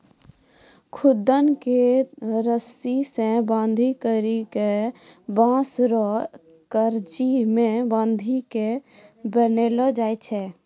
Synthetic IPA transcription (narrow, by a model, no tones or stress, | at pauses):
kʰʊd̪ənkeɾəsisẽbãːnd̪ʱikəɾikebãːsɾɔ | kəɾd͡ʒimẽbãːnd̪ʱike | bənelɔd͡ʒaːet͡ʃʰɛ